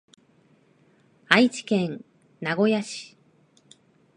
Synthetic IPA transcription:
ait͡ɕi̥kẽ̞n | naɡo̞jaɕi̥

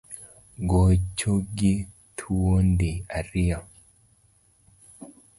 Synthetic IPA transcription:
ɡot͡ʃːoɡi | tʰuwondiaɾia

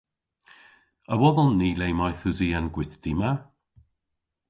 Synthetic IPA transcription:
əwɔðɔlˠniːlejmɔjθʊziːanɡwɪθd̥ɪma

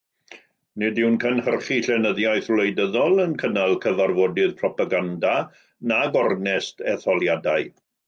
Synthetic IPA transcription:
nɪdɪwnkʰənhərχiɬɛnəðjajθloɨdəðɔlˠənkʰənalˠkʰəvarvɔdɪðpʰrɔpaɡanda | naɡɔrnɛstʰɛθɔlˠjadaɨ

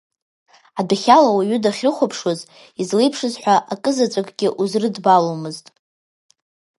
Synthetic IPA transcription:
adaχʲalawaɥʏdaχʲrɨχʷapʰʂoz | izlejpʰʂɨzħʷᶣaʔakʼɨzat͡sʷʼakʼɡʲɪʔuzrɨdbalomɨztʼ

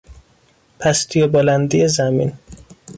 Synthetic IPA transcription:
pʰæst̪ʰijebolænd̪ijezæmin

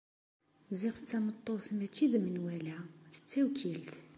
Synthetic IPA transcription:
ziʁət͡sːæmət̪ˤːoθmæt͡ʃːiðmənwælæθə̥t͡sːæwkʰilt̪

